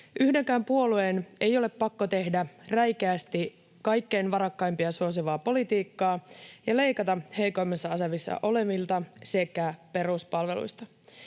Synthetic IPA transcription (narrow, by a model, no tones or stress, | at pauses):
ʔyhde̞ŋkæːmpuo̞luene̞jo̞le̞pːɑkːot̪e̞hdæræjk̟æːst̪i | kɑjkːe̞jnʋɑɾɑkːɑjmpiɑsuos̬iʋɑːpo̞lit̪iːkːɑːjɑle̞jkɑt̪ɑhe̞jko̞jmːɑsːɑɑseʋisːɑ̰ʔo̞le̞ʋilt̪ɑsekæpe̞ɾuspɑlʋe̞lṵjst̪ɑ